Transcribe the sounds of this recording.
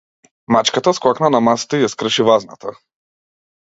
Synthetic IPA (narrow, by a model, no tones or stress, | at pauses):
mat͡ʃkat̪asklˠaknanamasi̥t̪ɛijaskr̩ʃivazna̰t̪ʰa